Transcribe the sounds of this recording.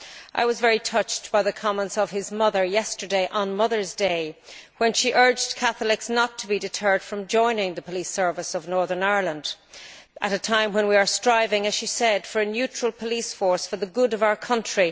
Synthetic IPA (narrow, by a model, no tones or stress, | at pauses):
ʔa̰ɪwʌzvɛɹitʰʌt͡ʃtb̥aɪðəkʰɑmə̃ntsʌv̥ɪzmʌðə˞jɛstə˞deɪʔə̃nmʌðə˞zdeɪwə̃nʃiʔɜ˞d͡ʒkʰæθlɪksnətʰəbidɨtʰɜ˞d̥fɹʌ̃md͡ʒɔ̃ɪ̃nɪ̃ŋðəpʰəlisɜ˞vəsʌvnɔɹðə̃˞naɪə˞lˠə̃nd | ʔəɾətʰãɪ̃mwə̃nwiə˞stɹ̥aɪvɪ̃ŋɨz̥ʃisɛd̥fə˞ɨnjʉt͡ʃɹ̥əlˠpʰəlisfɔɹsfə˞ðəɡʊɾʌvaʊə˞kʰʌ̃nt͡ʃɹ̥i